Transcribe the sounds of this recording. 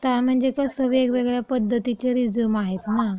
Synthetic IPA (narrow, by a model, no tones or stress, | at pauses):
t̪am̤əɳd͡zekasəʋekʋeɡɭjapəd̪ʱːət̪it͡ɕeɾid͡zjumaɦet̪na